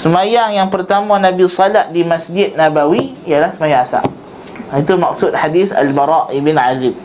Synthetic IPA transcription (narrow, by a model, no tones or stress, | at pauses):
səmajaŋjaŋpərt̪amãnabisɔlaʔdimasd͡ʒɪt̪̚nabawi | ijalahsəmajaŋasa̰ʔ | it̪umak̚sut̪̚ħadiθa̰lbaɾaʔibɪnʕazɪm̚